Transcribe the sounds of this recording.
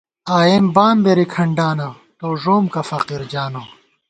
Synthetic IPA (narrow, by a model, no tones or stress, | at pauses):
aːjembaːmbeɾikʰɐɳɖaːnɐ | t̪oːʐoːmkɐfɐqiɾd͡ʑaːno